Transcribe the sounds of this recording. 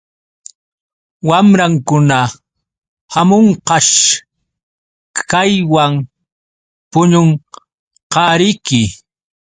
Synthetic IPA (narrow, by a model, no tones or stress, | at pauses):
wamɾaŋkʊna | hamoɴqɑʃ | kajwaŋ | pʊɲoɴ | qɑɾɪjkɪ